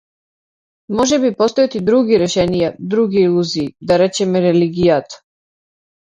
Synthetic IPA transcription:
mɔʒɛbipɔst̪ɔjɛt̪id̪ɾuɡiɾɛʃɛnijad̪ɾuɡiːlˠuziːd̪aɾɛt͡ʃɛmɛɾɛliɡijat̪ḁ

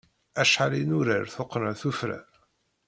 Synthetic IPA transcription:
æʃħalinʊɾəɾθoqːnəɾθufɾə̰ɾ

